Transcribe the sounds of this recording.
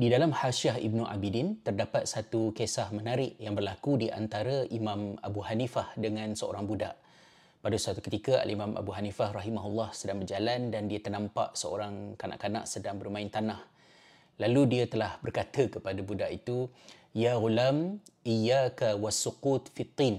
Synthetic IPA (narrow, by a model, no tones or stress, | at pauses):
didalamhaʃiahḭb̚nuʔa̰bidint̪ərdapat̪̚sat̪ukesahmənaɾɪʔjaŋbərlakudiʔa̰nt̪aɾaʔimãma̰buɦanifahdəŋãnsəo̰ɾaŋbuda̰ʔ | padəsat̪u̥kət̪ikaʔa̰lʔimãmʔa̰buɦanifahrɑɦimaɦulːɑhsədaŋbərd͡ʒalandandiat̪ərnampa̰ʔsəo̰ɾaŋkana̰ʔkana̰ʔsədaŋbərmaint̪anah | laludiat̪əlahbərkat̪əkəpadabudaʔit̪ujaɣulamʔijakawasuqut̪fit̪ˤːin